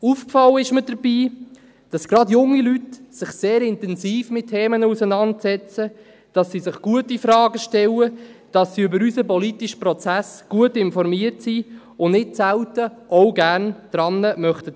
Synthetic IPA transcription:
ufkfɑlːəɪʃmədəɾbiː | d̥ɑsɡ̥ɾɑdjʊŋːilytsɪχseːɾɪntɛnziːfmɪttʰːeːmənəusənɑntsɛt͡sə | d̥ɑsːizɪχɡ̥uətifɾɑːɡəʃtɛwəd̥ɑsːiʏbəɾysəpɔlitiʃə̥pɾɔt͡sæsɡ̥uətɪnfɔɾmiəɾtsi | ʊnnɪtsæwtəʔɔʊɡæɾnd̥ɾɑnːəmœχtə

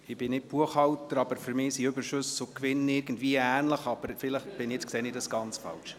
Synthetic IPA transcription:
ɪbɪnɪt̚b̥uəχhɑwtəɾɑbəɾføɾmɪːsiɵbəɾʃʉsʊkʋɪnɪɾɡ̥ən̩dviəæːnləχɑb̥əɾfɪləχb̥ɪniɛt͡skseːnɪdɑsɡ̥ɑnt͡sfɑ̰lʃ

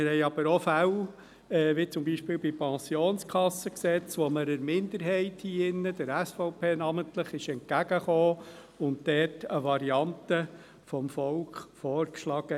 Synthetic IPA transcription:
mɪɾhɛɪɑb̥əɾɔfæw | ɛːʋit͡sʊmbiːʃpɪːlbipʰɛ̃sioːnskʰɑsːəksɛt͡sʋɔməɾəɾmɪnd̪əɾɦɛɪthiːɪnːəd̥̪əɾæsfɔʊpʰeːnɑməntləχɪʃɛnt̚kæɡ̥əχoː | ʊnt̚d̥ɛːtʰəʋɑɾiɑntə | fɔmfɔlkχfɔːɾkʃlɑːɡ̥ə

